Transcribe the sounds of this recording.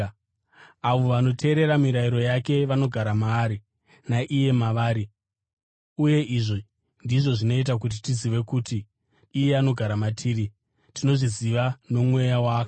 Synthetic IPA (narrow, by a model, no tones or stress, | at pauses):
aʋo̞ʋano̞tʰe̞ːɾe̞ɾamiɾaiɾo̞jake̞ʋano̞ɡʱaɾamaːɾi | naʔije̞maʋaːɾi | uje̞ʔiʐo | ndiʐo̞ʐino̞it̬ak̬ut̬itiziʋe̞kuːtiː | je̞ano̞ɡʱaɾamatʰiːɾi | tʰino̞ʐiziʋano̞mwe̞jawaːka